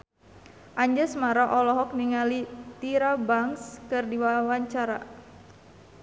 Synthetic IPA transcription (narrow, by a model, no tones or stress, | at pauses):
ʔaɲd͡ʒasəmaɾaʔɔlɔɦɔk̚niŋalit̪iɾabaŋskɨrdiwawaɲt͡ʃaɾa̰